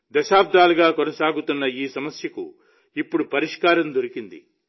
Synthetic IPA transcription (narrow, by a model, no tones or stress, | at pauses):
d̪ɐʃaːp̚d̪ʱaːluɡaːkonɐsaːɡut̪unːɐiːsɐmɐsjɐkṵ | ipːuɽupɐɾiʂkaːɾɐmd̪ʱoɾikind̪ḭ